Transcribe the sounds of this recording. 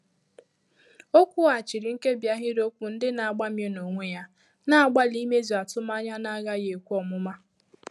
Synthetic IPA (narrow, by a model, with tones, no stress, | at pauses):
o˦kʷu˦a˨t͡ʃi˨ɾi˨ŋ̩˦ke˦bja˦ɦɪ˦ɾo˦kʷu˨n̩˦dɪ˦na˨a˨ɡ͡ba˦m˦e˦no˨ŋʷe˦ja˦ | na˦a˨ɡ͡ba˦li˦me˦zi˨a˨tʊ˦ma˦ɲa˦na˦ɣa˦je˨kʷu˦ɔ˨mʊ˦ma˦